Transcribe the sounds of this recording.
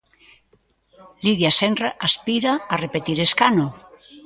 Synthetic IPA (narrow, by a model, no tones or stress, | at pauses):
liðjasenraʔaspiɾaarepet̪iɾeskano